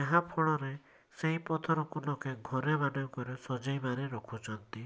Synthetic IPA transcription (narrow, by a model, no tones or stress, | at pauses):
eɦãpʰɔɭɔɾe | seɦĩpɔt̪ʰɔɾɔkunɔkeɡʱɔɾebaɖɔkɔɾesɔd͡ʒajbaɾeɾɔkʰut͡ʃʰɔnt̪i